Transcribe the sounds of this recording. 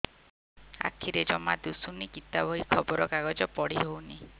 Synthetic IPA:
a̰kʰiɾed͡ʒɔmad̪usunikit̪abɔɦikʰɔbɔɾɔkaɡɔd͡ʒɔpɔɽ̤iɦowni

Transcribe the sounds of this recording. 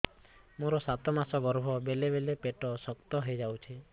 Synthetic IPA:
moɾɔsat̪ɔmasɔbɔɾbʱɔbelebelepeʈɔsɔkt̪ɔɦejd͡ʒawt͡ʃʰi

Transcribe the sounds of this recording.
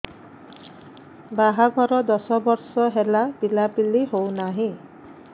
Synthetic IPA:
baɦaɡʱɔɾɔd̪ɔsɔbɔɾsɔɦelab̥ilapilːiɦownaɦĩ

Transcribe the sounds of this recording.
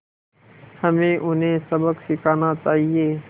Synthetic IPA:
həmẽʔʊnɦẽsəbəkʃɪkʰaːnat͡ʃaːɦieː

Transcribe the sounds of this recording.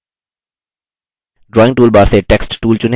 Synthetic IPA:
ɖɾɔːɪ̃ŋʈuːlbaːɾseʈɛksʈʈuːlt͡ʃʊn

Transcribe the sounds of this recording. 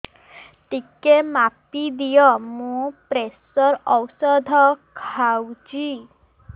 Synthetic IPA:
t̪ikemapid̪ijɔmũpɾesɔɾɔwsɔd̪ʱɔkʰawd͡ʒi

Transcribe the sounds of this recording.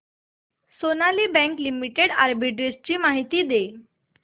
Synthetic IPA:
sonaliːbɛ̃ŋklimiʈeɽaɾbiʈɾest͡ɕiːmaɦit̪iːd̪e

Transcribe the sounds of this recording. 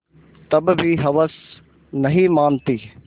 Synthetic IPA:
t̪ɐbbʱiɦɐʋəs | nɐɦimaːnt̪iː

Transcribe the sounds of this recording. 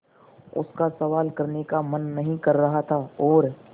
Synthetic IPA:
ʊ̰skasɐʋaːlkɐɾnekamɐnːɐɦĩkɐɾːɐɦat̪ʰaɔːɾ

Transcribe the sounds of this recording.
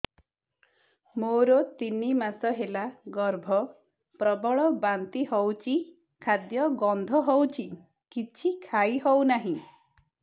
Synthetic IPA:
moɾot̪inimasɔɦelaɡɔɾbʱɔ | pɾɔbɔɭɔbant̪iɦɔwt͡ʃʰi | kʰad̪jɔɡɔnd̪ʱɔɦɔwt͡ʃʰi | kit͡ʃʰikʰaiɦɔwnaɦĩ

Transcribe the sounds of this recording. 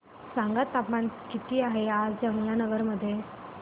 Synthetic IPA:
sãŋɡat̪ːapmaɳkit̪iːaɦead͡zd͡ʑəmljanəɡəɾməd̪ʱːje

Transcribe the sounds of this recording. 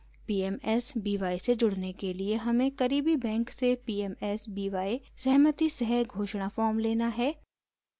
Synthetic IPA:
piːɛːmɛːsbiːʋaːised͡ʒʊɽnekelieɦɐmẽkɐɾiːbibɛ̃ːŋksepiːɛːmɛːsbiːʋaːisɛɦmət̪isɛɦɛɡʱoːʃɽ̃afɔːɾmleːnaɦɛː

